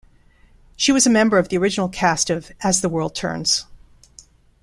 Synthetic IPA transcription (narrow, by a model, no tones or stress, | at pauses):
ʃiwʌzɨmɛ̃mbə˞ʌvðiə˞ɪd͡ʒɨn̩l̩ˠkʰæstɨvɨzðəwɜ˞lˠd̚tʰɜ̰̃˞nz̥